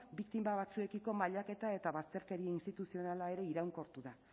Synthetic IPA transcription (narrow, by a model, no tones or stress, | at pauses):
bikt̪imbaβat͡sue̞kiko̞maʎake̞t̪ae̞t̪aβast̪e̞ɾke̞ɾieinst̪it̪usio̞nalae̞ɾe̞iɾawŋko̞ɾt̪uða